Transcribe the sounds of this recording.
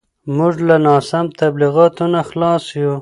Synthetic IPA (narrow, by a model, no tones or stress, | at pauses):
mʊʐlanɑːsamt̪abliɣɑt̪unaxlɑsju